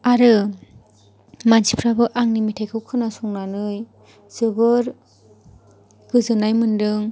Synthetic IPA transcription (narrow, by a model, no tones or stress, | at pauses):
aɾɯ | mansipʰɾabɯʔaŋnimitʰajkʰɯwkʰɯnasɔŋnanɯj | z̥ɯbɯɾ | ɡ̥ɯzɯnajmɯndɯŋ